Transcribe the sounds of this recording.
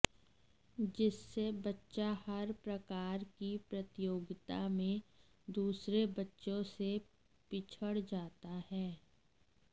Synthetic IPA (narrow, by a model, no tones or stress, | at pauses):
d͡ʒɪsːebɐtːʃahɐɾpɾɐkaːɾkipɾɐt̪ɪjoːɡɪt̪amẽ | d̪uːsɾebɐtːʃõse | pɪt͡ʃʰəɽd͡ʒaːt̪ahɛː